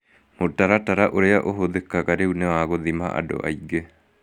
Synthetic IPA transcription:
motaɾataɾaʔoɾeaʔoɦoðekaɣaɾeunɛwaɣoðimaʔa̰do̰ʔa̰iɡe

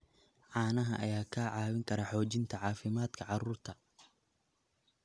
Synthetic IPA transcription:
ʕɑːnɐɦɐʔɐjaːkʰaːʕɑːwɪŋkʰɐɾɐħɔːt͡ʃɪnt̪ʰɐʕɑːfɪmaːd̪kʰɐʕɑruːrt̪ʰɐ

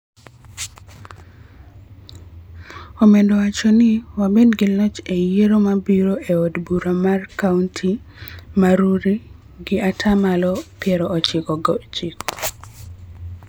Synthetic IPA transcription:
omendɔwat͡ʃonɪwabedɡɪlɔt͡ʃejeɾomabiɾoʔeodbuɾamarkauntʰi | maɾuɾi | ɡɪʔatʰamalɔpjɛɾɔːt͡ʃɪkɔɡɔt͡ʃikɔ̥

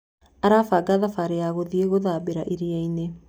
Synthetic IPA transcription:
aɾaːfaːɡaðafaɾeaɣoðieɣoðaːbeɾaʔiɾiaine

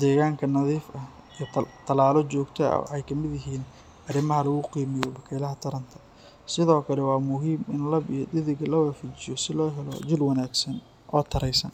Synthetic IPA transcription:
d̪ɛːɣaːŋkʰɐnɐðiːfɐh | it̪ʰɐlaːlɔt͡ʃɔːɡt̪ʰɐ̰w̰ħɛjkʰɐmɪðjɪɦiːn | ʔɐrɪmɐɦɐlɐɣʊqiːmɪjɔbɐkʰɛːlɐɦɐt̪ʰɐɾɐnt̪ʰɐ̥ | sɪðɔːkʰɐlɛwɑːmʊɦiːmɪnlɐbijɔd̪ɪðɪɡɐlɐwaːfit͡ʃɪjɔsɪlɔːɦɛlɔ̰d͡ʒɪlwɑnaːɡsɐn | ʔɔːt̪ʰɐɾɛjsɐ̰n

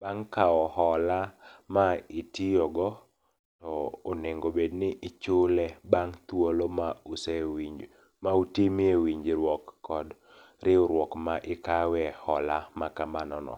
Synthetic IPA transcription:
baŋkaɔhɔlamaitɪjɔɡɔ | tɔːneŋɡobednɪʔɪt͡ʃʊlɛbaŋt̪wolomausewiɲd͡ʒ | mautimiewiɲd͡ʒɾwɔkːɔd | ɾʔɪʊɾwɔkmaʔɪkawɛhɔlamakamanɔnɔ̰

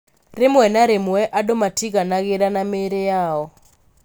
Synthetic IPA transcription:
remwɛnaɾemwɛʔadomatʰiɡanaɡɪɾanameɾejaɔ

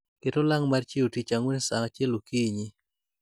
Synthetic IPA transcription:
ketolaŋmart͡ʃiotit͡ʃaŋwensaŋat͡ʃelokiɲi

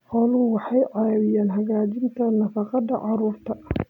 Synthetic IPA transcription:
qɔlʊwɑħɑjʕɑβɪjaːnɦɐɣaːt͡ʃɪnt̪ʰɐnɐfɑqɑd̪ɐ̰ʕɑɾuːrt̪ʰɐ

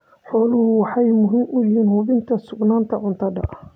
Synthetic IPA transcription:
ħɔːlʊɦhʊwɑħɑjmʊɦɪmʔʊjɪɦiːnhʊβɪnt̪ʰɐsʊɡnaːnt̪ʰɐʕʊnt̪ʰɐdɐ̰ʔɐ

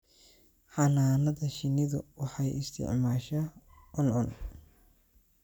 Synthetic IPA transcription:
ħɑnaːnɐðɐʃɪnɪðʊwɑħɑjɪst̪ʰɪ̰ʕmaːʃɐ | ʔʊnʔʊn

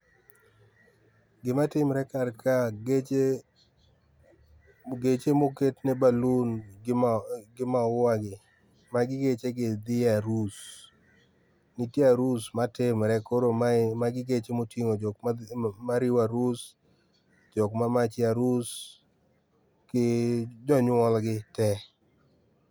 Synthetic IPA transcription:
ɡɪmatɪmɾɛkarkaɡe | ɡet͡ʃemoketnebalun | ɡɪmaʊwaɡɪ | maɡɪɡet͡ʃeɡɪd̪ɪaɾus | nɪtiaɾusmatɪmɾɛkoɾomamaɡɪɡet͡ʃemotiŋod͡ʒɔkmmaɾɪwaɾus | d͡ʒɔkmamat͡ʃɪaɾus | kɪd͡ʒɔɲɔlɡɪtɛ

